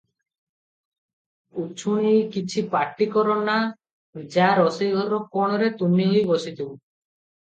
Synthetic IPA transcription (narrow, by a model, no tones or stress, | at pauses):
ut͡ʃʰunijkit͡ʃʰipaʈːikɔɾɔna | d͡ʒaɾɔsijɡʱɔɾɔkɔɽ̃ɔɾet̪unːiɦojbɔsit̪ib